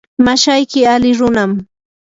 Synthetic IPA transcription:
maʃajkɪalɪɾʊnam

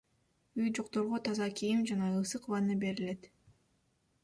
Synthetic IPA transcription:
yjd͡ʒo̞qt̪o̞ɾʁot̪ʰɑzɑkʲʰijimd͡ʒɑnɑɯsɯqβɑnɯbe̞ɾile̞t̪

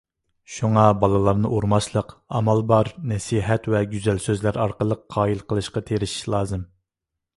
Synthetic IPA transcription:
ʃuŋɑbɑlˠɨlˠɑɾnɨʔoɾmɑʃlˠəqɑmɑlˠbɑɾnɛsiɦɛt̪wɛɡʲyzælsøzlæɾɑɾqəlˠəqʰːɑːilˠqʰəlˠɨʃqɑt̪ʰeɾɪʃi̥ʃlˠɑːzɨm

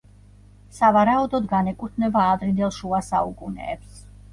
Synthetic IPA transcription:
savaɾaɔd̪ɔd̪ɡanɛkʼut̪ʰnɛbaːd̪ɾind̪ɛlˠʃuasaukʼunɛ̰ːps

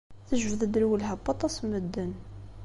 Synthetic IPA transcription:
θəʒvəðəd̪lwəlɦəbːɑt̪ˤɑsməd̪ːən

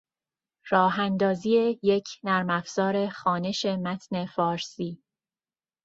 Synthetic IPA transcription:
ɾɒːɦænd̪ɒːziːe̞je̞cʰnæɾmæfz̥ɒːɾe̞xɒːne̞ʃe̞mæt̪ʰne̞fɒːɾsiː

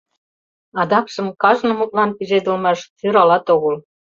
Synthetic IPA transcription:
ɑd̪ɑkʃə̆mkɑʒnɤ̆mut̪̚lɑnpized̪ə̆lmɑʃt̪yɾɑlɑt̪oɣɤ̆l

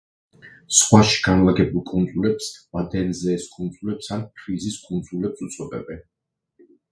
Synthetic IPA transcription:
sχwaʃi̥ɡ̥anlˠaɡɛbulˠkʼund̪zʼulɛpsvad̪ɛnzɛːskʼund̪zʼulɛpsankʰɾiziskʼund̪zʼulɛpsut̪sʼɔd̪ʼɛ̰bɛn

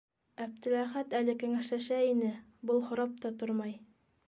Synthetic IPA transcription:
æp̚t̪ɘ̆læχæt̪ælɘkæŋæʃlæʃæinɘbɤlˠχŏɾɑp̚t̪ɑt̪oɾmɑj

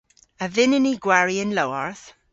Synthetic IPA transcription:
əvɪnɪniɡwɛɹiɪ̃nloəɹθ

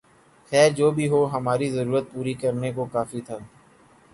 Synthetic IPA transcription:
xɛːɾd͡ʒoːbʱiɦoːɦɐmaːɾizəɾuːɾət̪̚puːɾikɐɾnekokaːfit̪ʰaː

